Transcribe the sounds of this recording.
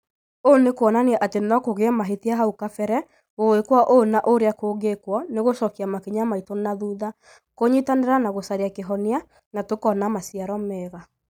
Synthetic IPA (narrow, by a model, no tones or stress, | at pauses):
onekwɔnaneɛʔatenɔkoɣeɛmaɦetiaɦaukafɛɾɛ | oekwaʔonaʔoɾeakoːɡekwɔneɣosɔkiamakeɲamaitonaðuða | koɲitaneɾanaɣosaɾeakeɦɔnia | natokɔnamasiaɾɔmɛːɣa